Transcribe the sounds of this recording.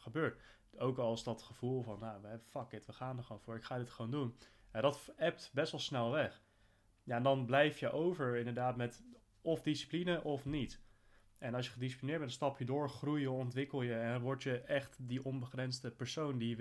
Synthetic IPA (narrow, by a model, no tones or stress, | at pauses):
χəbøːɹt | owkɑlˠsdɑtχəv̥ulˠvɑnjaʋəɛbəfɑkɪtʋəχaːndəɹχʋownvʊːɹɪkχaːdɪtχəʋowndunadɑtɛp̚tbɛsʋɑlˠsnɛlˠʋɛχ | jaɛndɑnblɛjfjəʔowvəɹɪndəɹdaːtmɛt | ɔfdisi̥plinəʔɔfnit | ʔɛnɑlˠsjəχədis̬i̥plinɪɹdbɛntdɔnstɑpjədʊːɹχrujəɔntʋɪkəlˠjəɛnʋɔɹtəɛχtdiʔɔnbəχrɛnzdəpəɹsowndi